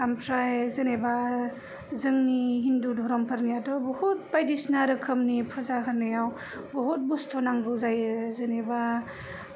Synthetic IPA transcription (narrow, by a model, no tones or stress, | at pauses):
ampʰɾajzɯneba | zɯŋniɦindudʱɔɾɔmpʰaɾnijadɔbɔhut̚pajdisnaɾɯkʰɯmnipʰuzaɦɯnɯjaw | bɔɦut̚bustʰɔnaŋɡɯzajɯzɯneba